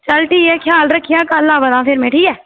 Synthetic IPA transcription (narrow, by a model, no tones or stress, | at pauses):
t͡ʃəlʈiːɛːkʰjaːlɾəkʰːɪjãːkəlːãːbəd̪ãːpʰɪɾmeːʈʰiːɛː